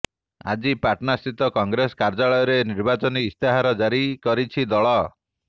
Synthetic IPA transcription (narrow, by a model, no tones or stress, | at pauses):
a̰d͡ʒipaʈnasit̪ɔkɔŋɡɾesɔ̥kaɾd͡ʒaɭɔjɔɾeniɾbat͡ʃɔniːst̪eɦaɾɔd͡ʒaɾikɔɾit͡ʃʰid̪ɔɭɔ